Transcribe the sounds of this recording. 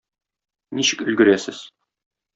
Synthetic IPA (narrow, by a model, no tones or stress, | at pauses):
niɕɘ̥kɵ̆lɡɘ̆ɾæsɘz̥